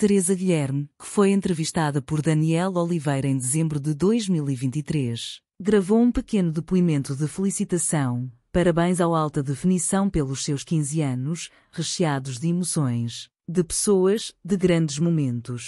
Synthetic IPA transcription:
t̪ɨɾezɐɣiʎɛɾmkɨ̥fojẽnt̪ɾɨviʃt̪aðɐpɔɾðɐniɛlˠɔlˠivɐjɾɐẽj̃d̪ɨzẽmbɾuðɨðojʒmilˠivĩnt̪it̪ɾeʃ | ɡɾɐvoũpɨkenuðɨpuimẽnt̪uðɨfɨlˠisit̪ɐsɐ̃w̃pɐɾɐβɐ̃j̃zawalˠt̪ɐðɨfɨnisɐ̃w̃pelˠuʃsewʃkĩzɐnuʃ | ʁɨʃiaðuʒðimusõj̃ʃ | d̪ɨpɨ̥soɐʒd̪ɨɣɾɐ̃nd̪ɨʒmumẽnt̪uʃ

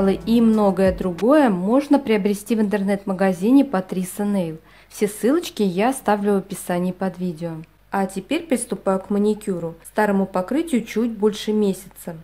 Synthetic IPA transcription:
lˠəʔimno̞ɡəjəd̪ɾʊɡo̞jəmo̞ʐnəpɾʲɪɐbɾʲɪsʲtʲivɨnt̪ərnɛt̪məɡɐzʲinʲɪpɐt̪ɾʲisənejlˠ | fsʲe̞sɨlˠət͡ɕkʲɪjaɐst̪avlʲʊəpʲɪsanʲɪjːpɐd̪vʲidʲɪo | atʲɪpʲeɾʲpɾʲɪst̪ʊpajʊkmənʲɪkʲuɾʊst̪aɾəmʊpɐkɾɨtʲɪjʊt͡ɕutʲbo̞lʲʂɨmʲesʲɪ̥t̪sə

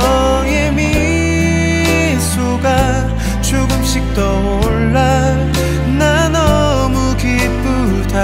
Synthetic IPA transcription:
ʌ | ŋemi | sʰuɡa | t͡ɕʰuɡɯmɕik̚t͈ʌ | oɭːa | na | nʌ | mukit̚p͈u | tʰa

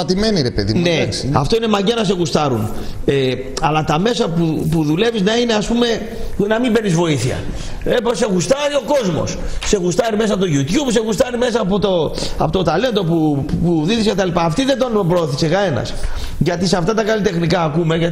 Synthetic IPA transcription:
ɐt̪imeniɾepeðḭneɐ̰ft̪o̞ine̞mɐɲɟeɐnɐse̞ɣust̪ɐɾune | ɐlɐt̪ɐme̞sɐpupuðule̞viznɐine̞ɐspume̞ | nɐmimbe̞nizvo̞iθiɐ̰ | epse̞ɣust̪ɐɾio̞ko̞zmo̞̰sːe̞ɣust̪ɐɾime̞s̬ɐpot̪o̞ʝut̪jubs̬e̞ɣust̪ɐɾime̞s̬ɐːpot̪o | ɐ̰pot̪ot̪ɐle̞nd̪o̞pupuðiðiskce̞t̪ɐlipɐːft̪iðend̪o̞npɾooθisekɐe̞nɐ̰s | ʝɐt̪isɐft̪ɐt̪ɐkɐlit̪e̞xnikɐːkume̞ʝɐ

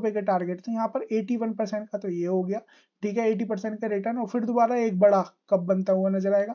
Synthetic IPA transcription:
pekeʈaːɾɡeʈt̪ʰẽjɐɦãpɐɾeːʈiʋɐnpɐɾsɛ̃ɳʈ̚kat̪ojeɦoɡɐjaː | ʈʰiːkɦɛeːʈ̬ipɐɾsɛ̃ɳʈ̚kaɾɪʈəɾnɔːɾfɪɾd̪obaːɾaeːk̚bɐɽakɐp̚bɐ̃nt̪aɦɛoanɐzəɾaːeːɡaː

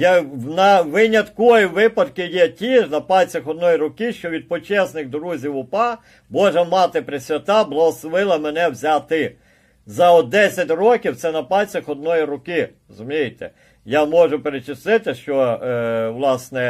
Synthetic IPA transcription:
janɐʋɪnʲɐt̪kɔjiʋɪpɐd̪kɪjɛtʲiʒnɐpɑlʲt͡sʲɐxɔd̪nɔjiɾʊkɪʃt͡ʃɔʋʲid̪̚pɔt͡ʃɛsnɪxd̪ɾuzʲiwʊpɑ | bɔʒɛmɑt̪ɪpɾɪsʲʋʲɐt̪ɑblˠɐɦɔslˠɔʋɪlˠɐmenɛwzʲat̪ɪ | zɐɔd̪ɛsʲɐtʲrɔkʲiwt̪sɛnɐpɑlʲt͡sʲɐxɔd̪nɔjiɾʊkɪɾɔzʊmʲijet̪ɛ̰ | jamɔʒʊpeɾet͡ʃɪst̪ɪt̪ɪʃt͡ʃɔ | ʋlˠɑsnɛ

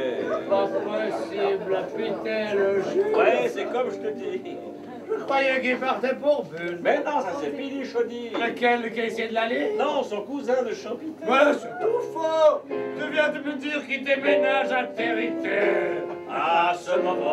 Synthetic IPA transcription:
papɔsiblɔpit̪ɛloʒwɛsɛkɔmʒət̪əd̪i | pajɛ̃kĩvaʁt̪ɛ̃pɔʁvymɛnɔ̃sasɛmid̪iʃod̪iakɛlkɛ̃isɛd̪lalenɔ̃sɔ̃kuzɛ̃d̪əʃɑ̃pit̪mɛs | fɔt̪əvjɛ̃t̪əməd̪iʁkit̪emenaʒat̪eʁit̪ɛʁasɔlmm̃

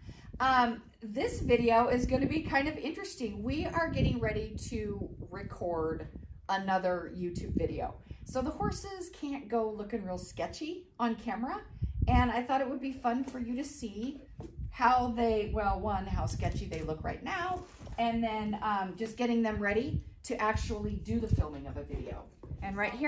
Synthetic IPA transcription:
ʔʌ̃m | ðɪsvɪɾioʊɪzɡʌnɨbikʰãɪ̃ndʌvɪ̃nt͡ʃɹ̥ɨstɪ̃ŋwiə˞ɡɛɾɪ̃ŋɹɛɾiɾɨɹɨkʰɔɹɾənʌðə˞jʉtʰʉbvɪɾio̰ʊsoʊðəhɔɹsɪz̥kʰæ̃nɡ̥oʊlʊkɨ̃nɹilˠskɛt͡ʃiə̃nkʰæmə˞əɨ̃naɪθɔɾɨt̚wəd̚bifʌ̃nfə˞jɨɾɨsi | haʊðeɪwɛlˠwʌ̃nɦaʊskɛt͡ʃiðeɪlʊkɹa̰ɪtⁿnaʊɨ̃nðɨ̃nʌ̃md͡ʒʌsɡ̥ɛɾɪ̃ŋðɨ̃mɹɛɾiɾɨʔæk̚t͡ʃul̩ˠidɨðɨfɪlˠmɪ̃ŋʌvɨvɪɾḭo̰ʊɨ̃nɹaɪt̚hi

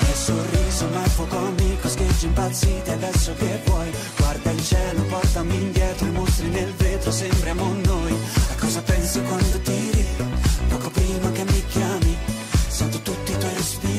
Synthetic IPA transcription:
ɛlsorːiːzomafɔkoamːikosked͡ʒːimpat̪sːit̪ead̪ɛsːokevːwɔj | ɡ̥ward̪ailt͡ʃɛːlopɔrt̪amind̪jɛːt̪ɾoimost̪ɾinelveːt̪ɾosɛmpɾeamonːojakːɔːzapɛnsikwand̪od̪iɾipɔːkopɾiːmakemːikjaːmi | sant̪ot̪ut̪ːit̪wɔjɾespiː

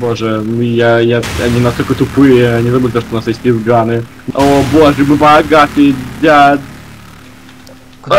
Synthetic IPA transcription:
boʐɨmjajaɐnʲinɐst̪olʲkət̪ʊpɨjəɐnʲizɐbɨlʲɪt̪ot̪oʊnasjesʲtʲɪvɡanɨ | oboʐɨmɨbɐɡat̪ɨd̪ʲa

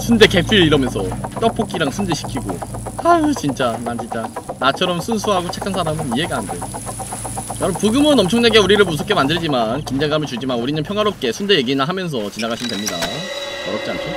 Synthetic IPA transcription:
sʰunde̞ke̞pʰiɭiɾʌmjʌnsʰʌ̰t͈ʌpʰok͈iɾaŋsʰundeɕʰi̥kʰiɡo̰at͡ɕint͡ɕ͈anant͡ɕint͡ɕ͈anat͡ɕʰʌɾʌmsʰunsʰuɦaɡot͡ɕʰe̞kʰansʰaɾamɯniɦe̞ɡande | jʌɾʌpuɡɯmɯnʌmt͡ɕʰʌŋneɡe̞uɾiɾɯɭmusʰok͈ʰːe̞mandɯɭd͡ʑimankind͡ʑeŋɡamɯɭt͡ɕuɭd͡ʑimanuɾinɯnpʰjʌŋɦwaɾop̚k͈e̞sʰunde̞je̞ɡinaɦamjʌns̬ʰʌt͡ɕinaɡaɕʰimɯndwe̞mɲida̰ | mʌɾʌk̚t͡ɕ͈iankʰe

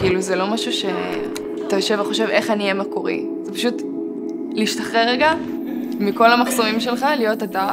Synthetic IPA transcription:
kiːluzelo̞maʃuʃe̞ | atajo̞ʃevaχo̞ʃe̞ve̞χaniemakoʁḭ | zepaʃut | liʃtaχʁeʁeɡa | miko̞lamaχso̞mimʃe̞lχalijo̞tata

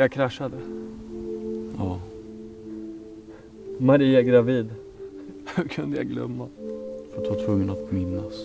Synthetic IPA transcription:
akʰɾaʂːad̪ə | jɑː | maɾiːaɛɡɾaviːd̪ | hɵkʰɵnd̪əjɑ̰ɡlœ̰mːafœt̪vaʈʰvɵŋːənat̪mɪnːas

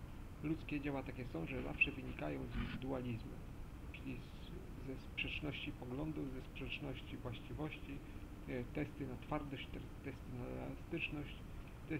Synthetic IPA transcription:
lut̪skʲɛd͡ʑawat̪akʲɛsɔ̃w̃ʐɛza̰fʂɛvɘɲikajɔ̃w̃zivʲid̪ualʲizmɛ̰m | t͡ʂɘlʲi | zɛspʂɛt͡ʂnɔɕt͡ɕipɔɡlɔnd̪uzɛspʂɛt͡ʂnɔɕt͡ɕivwaɕt͡ɕivɔɕt͡ɕi | t̪ɛst̪ɘnat̪faɾt̪ɔɕt͡ɕt̪ɛ | t̪ɛst̪ɘnaɛla̰st̪ɘt͡ʂnɔɕt͡ɕ | t̪ɛ

